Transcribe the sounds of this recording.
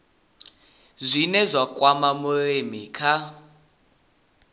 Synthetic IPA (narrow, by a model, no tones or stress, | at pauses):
zʷinɛzʷakʼwamamuɺemikʰa